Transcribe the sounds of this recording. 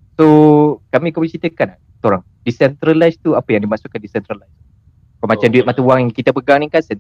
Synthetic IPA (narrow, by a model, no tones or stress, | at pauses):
sokamĩkɔmisit̪əkana | soɾaŋ | disɛnt̪ɾalajst̪uapəjaŋdimasukːandisɛnt̪ɾalajs | kɔmat͡ʃamduit̪̚mat̪awaŋŋkit̪apəɡaŋniŋkasɛn